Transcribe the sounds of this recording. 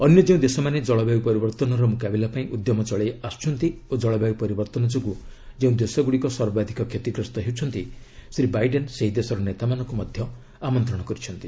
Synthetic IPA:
ɔnjɔd͡ʒeũd̪esɔmaned͡ʒɔɭɔbabipɔɾibɔɾt̪ɔnɔɾɔmukabilapaĩʔud̪jɔmɔt͡ʃɔɭeast͡ʃʰɔnt̪iod͡ʒɔɭɔbabipɔɾibɔɾt̪ɔnɔd͡ʒɔkud͡ʒeũd̪esɔɡuɽikɔsɔɾbad̪ʱikɔkʰjet̪iɡɾɔst̪ɔɦewt͡ʃʰɔnt̪isɾibajɖenseɦid̪esɔɾɔnet̪amanɔŋkumɔd̪ʱjɔ | amɔnt̪ɾɔɽ̃ɔkɔɾit͡ʃʰɔnt̪i

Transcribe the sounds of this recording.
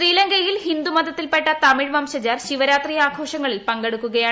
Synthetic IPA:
ɕriːlɐŋɡɐjilɦind̪umɐd̪ɐt̪ːilpe̞ʈːɐt̪ɐmiɻʋɐmɕɐd͡ʑaːrɕiʋɐɾaːt̪rijaːkʰo̞ːʂɐŋːɐɭilpɐŋɡe̞ɽukːuɣɐjaː

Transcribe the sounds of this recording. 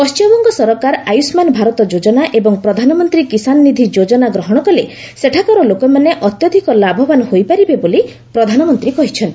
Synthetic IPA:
kɔst͡ʃɔbɔŋɡɔsɔɾɔkaɾajusmanɔbʱaɾɔt̪ɔd͡ʒod͡ʒɔnaʔebɔŋpɾɔd̪ʱanɔmɔnt̪ɾikisanːid̪ʱid͡ʒod͡ʒɔnaɡɾɔɦɔɽ̃ɔkɔle | seʈʰakɔɾɔlokɔmaneʔɔt̪jɔd̪ʱikɔlabʱɔbanɔhojpaɾibeboli | pɾɔd̪ʱanɔmɔnt̪ɾikɔɦit͡ʃʰɔni

